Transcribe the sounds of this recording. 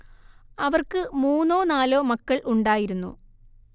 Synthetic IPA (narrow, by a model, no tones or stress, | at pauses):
ɐʋɐrkɨmuːnːo̞ːnaːloːmɐkːɐɭuɳɖaːjiɾunːṵ